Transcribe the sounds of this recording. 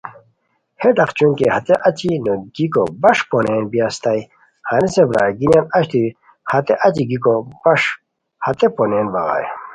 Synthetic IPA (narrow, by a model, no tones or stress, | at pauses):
hed̪aqt͡ɕuŋkehɐt̪eʔɐt͡ɕinoɡikobɐʂponeːnbijast̪aj | hanisebɾaɡinjanɐɕt̪i | hɐt̪eʔɐt͡ɕiɡikobɐʂ | hɐt̪eponeːnbɐɣa̰j